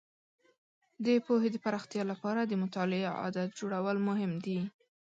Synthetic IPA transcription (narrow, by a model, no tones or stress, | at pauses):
d̪əpoɦed̪əpaɾɑxt̪jɑlapɑɾad̪əmʊt̪ɑlɪaɑ̰d̪at̪̚d͡ʒoɽawəlmʊɦɪmd̪i